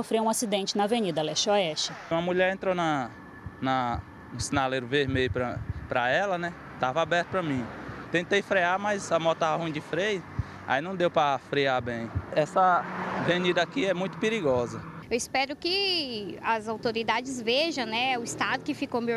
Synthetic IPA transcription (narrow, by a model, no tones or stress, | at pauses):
ofɾeũasid̪ẽnt͡ʃɪnɐvenid̪ɐlɛʃɔɛʃt͡ʃɪũɐmuʎɛɾẽnt̪ɾonɐ | nɐ | nʊ̃sĩnaleɾʊveɾmeʎʊpɾɐpɾɐɛlɐnɛ | t̪avɐabɛɾt̪ʊpɾɐmĩt̪ẽt̪ejfɾeaɾmajzɐmɔt̪aɐhũĩd͡ʒɪfɾejɐ | a̰inɐ̃w̃d̪ewpɾɐfɾeabẽj̃ɛsɐvenid̪ɐakiɛmũj̃t̪ʊ̥peɾiɡɔzɐ | ewispɛɾʊkɪ | ɐzawt̪oɾid̪ad͡ʒɪzveʒɐ̃w̃nɛʊist̪ad̪ʊkɪfikome